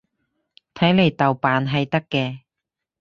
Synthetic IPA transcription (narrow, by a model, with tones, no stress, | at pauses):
t̪ʰɐ˨˥jle˨˩jt̪ɐ˨˩wpaː˨˧nɦɐ˨jt̪ɐ˥kːɛː˧